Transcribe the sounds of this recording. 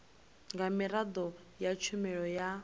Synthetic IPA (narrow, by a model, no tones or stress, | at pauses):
ŋɡamiɾad̪ɔ | jat͡ʃʰumɛɺɔja